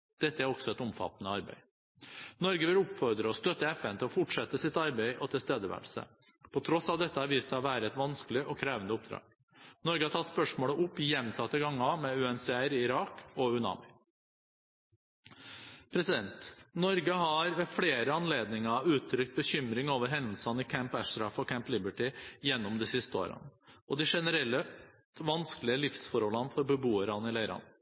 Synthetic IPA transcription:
d̪̥ɛt̪ːəæɾɔksɔɛt̪ɔmfɑ̰t̪ːnəɑɾbæ̰ɪ | nɔɾɡəʋɪlʊpfɔɾd̪ɾəɔst̪œt̪ːəɛfɛnt̪ʰɪlɔfʊʈʂɛt̪ːəsɪt̪ɑɾbæɪʔɔt̪ʰɪlst̪eːd̪əʋæ̰ɭsə̰ | pʰɔt̪ʰɾɔsɑʋd̪ɛt̪ːəɑɾʋiːsəʋæːɾəɛt̪ʋɑnsklɪʔɔkʰɾeːʋənd̪əʊp̚d̪ɾɑ̰ːɡ̥ | nɔɾɡəɑt̪ʰɑːspœʂmoːɽəʔʊpːjɛmt̪ʰɑt̪ːəɡɑŋːɑmɛʉɛnsɛæɾɪɪɾɑːkɔʉnɑ̰ːmɪ | pʰɾɛsɪd̪ɛnt̪nɔɾɡəɦɑɾʋɛfɽeːɾəɑnleːd̪nɪŋɑʉːt̪ʰːɾʏk̚t̪̚bəçʏmɾɪŋoːʋəɾɦɛnd̪l̩sɑnɪkʰæmpæʂt̪ɾɑfɔkʰæmplɪbəʈɪjɛnːɔmd̪ɪsɪst̪əo̰ːɾə̰nəɔd̪ɪʂɛnəɾɛlːə | ʋɑnskəlɪəlɪfsfɔɾhɔlɑnfɔɾbəbuːəɾɑnɪlæɪɾɑ̰n

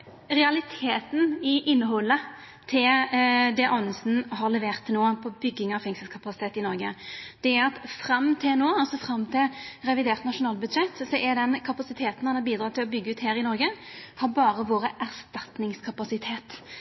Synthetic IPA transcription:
ɾɛɑlɪt̪ʰeːt̪nɪʔɪnːəɦɔlːə | t̪ʰɪld̪ɛʔɔnəsn̩ɦɑɾlɛʋeːʁt̪ʰːoːpʰɔbʏɡːɪŋɑfɛŋsəlkʰɑpɑsɪt̪ʰeːt̪ɪnɔɾɡə̰d̪̥ɛæɾɑt̪fɾɑmːt̪ʰɪlnoːɑlsɔfɾɑmːt̪ʰɪlɾɛʋɪd̪eːʁt̪nɑʂʊnɑːlbʉd̪ʂɛt̪ːsɔʔɛd̪ɛnkʰɑpɑsɪt̪ʰeːt̪n̩hɑnhɑɾbiːd̪ɾɑːt̪ɪlɔbʏɡːəʉːt̪heːɾɪnɔɾɡəhɑɾbɑːɾəʋoːɾəʔæʁst̪ɑt̪nɪŋskʰɑpɑsɪt̪ʰeːt̪

